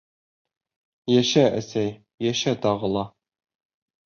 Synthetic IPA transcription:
jæʃææsæj | jæʃæt̪ɒʁɤ̆lˠɑ

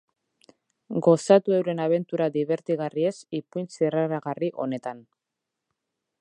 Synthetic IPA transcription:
ɡo̞sat̪ue̞wɾe̞naβ̞e̞nt̪uɾad̪iβe̞ɾt̪iɣarie̞sipujnt͡seraɾaɣariʔo̞ne̞t̪an

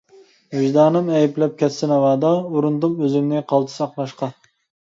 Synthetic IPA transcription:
vɪʒd̪ɑːnɨmɛjiplɛp̚kʲʰɛt̪sɪnɛwɑːd̪ɑuɾund̪ɨmøzɪmnɪqʰɑlˠt̪ʰɨ̥sɑqlˠɑʃqɑ

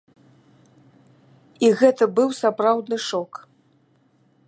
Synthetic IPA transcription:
iɣɛt̪ʰɐbɨwsaprawd̪nɨʂɔk

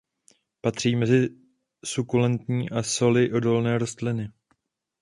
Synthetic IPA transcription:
pat̪r̝̥iːmɛzɪ | sukulɛnt̪ɲiːʔaso̞lɪʔo̞do̞lnɛːɾo̞st̪lɪnɪ

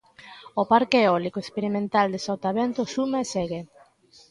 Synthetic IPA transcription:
opaɾkeɛɔlikoespeɾimẽnt̪ald̪esot̪aβent̪ʊsumaesɛɣe

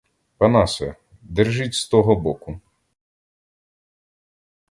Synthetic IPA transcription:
pɐnɑsʲɐ̰ | d̪ɛrʒitʲst̪ɔɦɔbɔkʊ

